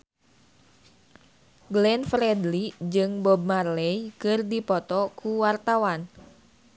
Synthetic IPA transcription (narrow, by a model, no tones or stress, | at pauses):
ɡlɛnfɾɛdlid͡ʒɨŋbɔb̚marlɛjkɨrdipɔt̪ɔkuwart̪awan